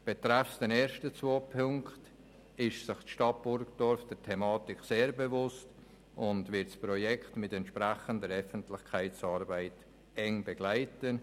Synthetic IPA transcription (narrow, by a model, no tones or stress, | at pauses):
b̥etɾɛfsd̥ɛneːɾʃtət͡svoːpʰʊŋkt | ɪʃsɪχtʃtɑt̚b̥ʊɾkd̥ɔɾfd̥ɛtʰɛmɑːtɪkseːɾbevʊst | ʔʊndvɪtsprojɛkʰtmɪtɛntʃpɾæχəndəɾœfəntlɪχkʰaɪt͡sɑːɾbaɪt | ɛŋbeɡlaɪtən